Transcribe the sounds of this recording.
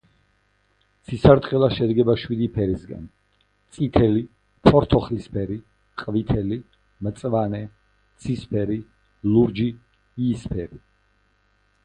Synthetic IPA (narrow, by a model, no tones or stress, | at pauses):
t̪sʰisaɾt̪ʼqʼɛlˠaʃɛd̪ɡɛbaʃwid̪ipʰɛɾisɡa̰n | t̪sʼit̪ʰɛli | pʰɔɾt̪ʰɔχlispʰɛɾi | qʼvit̪ʰɛli | mt̪sʼvanɛ | t̪sʰispʰɛɾi | luɾd͡ʒi | iːspʰɛɾi